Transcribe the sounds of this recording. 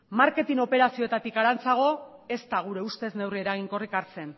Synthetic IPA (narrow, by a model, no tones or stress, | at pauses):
maɾke̞t̪ino̞pe̞ɾasio̞et̪at̪ikaɾant͡saɣ̞o̞e̞st̪aɣ̞uɾe̞ust̪e̞zne̞wrie̞ɾaɣ̞iŋko̞rikaɾt͡se̞n